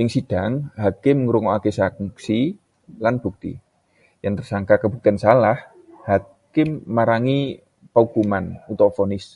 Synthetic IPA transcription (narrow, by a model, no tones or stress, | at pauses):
ɪŋsid̥aŋɦakɪmŋəɾuŋɔakesakksi | lanb̥uk̚t̪ḭ | jaŋt̪ərsaŋkakəbuk̚t̪iansalah | ha | kɪmːaɾaŋi | pəuɡumanut̪ɔfonɪs